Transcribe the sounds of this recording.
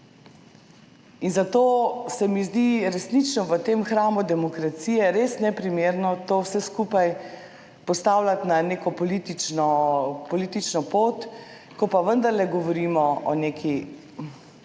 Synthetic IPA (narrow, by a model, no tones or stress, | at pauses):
inzat̪oːsɛmizd̪iɾɛsnit͡ʃnɔʋət̪eːmxɾaːmud̪ɛmɔkɾat̪siːjɛɾesnɛpɾimeːɾnɔt̪oːwsɛskuːpaj | pɔst̪aːwlat̪nanekɔpɔlit̪it͡ʃnɔpɔliːt̪it͡ʃnɔpoːt̪ | kɔpaʋənd̪əɾlɛɡɔʋɔɾiːmɔʔɔnekʰi